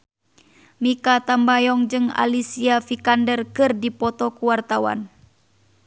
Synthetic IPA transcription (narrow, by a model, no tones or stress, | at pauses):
mikat̪ambajɔŋd͡ʒɨŋa̰lisiafikandərkɨrdipɔt̪ɔkuwart̪awa̰n